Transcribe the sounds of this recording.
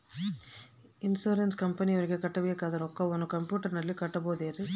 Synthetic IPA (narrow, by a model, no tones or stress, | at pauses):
insoːɾenskɐmpɐnioɾiɡekɐʈːɐʋeːɐkaːd̪ɐnɔkːɐonukɐmpjuːʈɐɾnɐlːikɐʈːɐboːd̪eːɾi